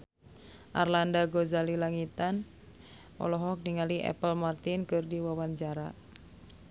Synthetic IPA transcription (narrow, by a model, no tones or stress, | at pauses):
ʔa̰rlandaɡɔzalilaŋit̪an | ʔɔ̰lɔɦɔk̚niŋaliʔɛ̰pəlmart̪inkɨrdiwawaɲt͡ʃaɾa